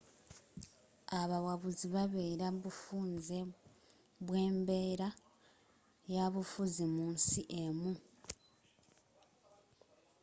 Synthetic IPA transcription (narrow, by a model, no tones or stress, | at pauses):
aβawaβuziβaβeɾaβufuːnze | βwe̞ːmbe̞ːɾa | jaβufuzimuːnsiʔemu